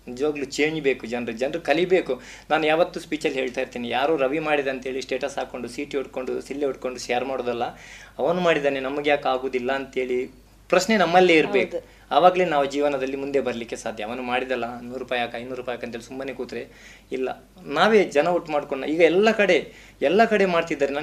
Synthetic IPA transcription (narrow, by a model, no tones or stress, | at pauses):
nid͡ʒɐʋaːɡɐlut͡ʃeːɲd͡ʒbe̞ːkud͡ʒɐnɾud͡ʒɐnɾukɐlibe̞ːku | naːnujaːʋɐt̪ːuspiːt͡ʃɐlɦeːɭt̪aːiɾt̪iːnijaːɾoːɾɐʋimaːɽid̪eɐnt̪eːɭisʈe̞ːʈɐsɦaːko̞ɳɖusiːʈuʈ̚koɳɖusilːeuʈ̚ko̞ɳɖuʃejɐɾmaːɽoːd̪ɐlːɐɐʋɐnumaːɽid̪aːnenɐmɐɡjaːkaːɡoːd̪ilːɐːnt̪ɦe̞ːɭi | pɾɐʃne̞nɐmːɐlːeiɾbeːk | ɐʋaːɡɐleːnaːʋud͡ʒiːʋɐnɐd̪ɐlːimund̪e̞bɐɾɐlikːesaːd̪ʱjɐʋɐnumaːɽid̪ɐlːɐnuːɾupaːjaːkɐjd̪nuːɾuːpajaːkːɐnt̪elit̪umbɐne̞ːkuːt̪ɾe | ilːɐ̰ | naːʋe̞ːd͡ʒɐnɐuʈːmaːɽkoɳnɐiːɡɐɛlːɐkɐɽe̞ | ɛlːɐkɐɽe̞maːɖt̪id̪ːaːɾena